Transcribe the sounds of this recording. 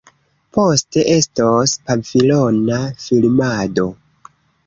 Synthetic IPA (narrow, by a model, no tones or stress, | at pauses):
po̞ste̞ʔe̞stospafilo̞nafilmado̞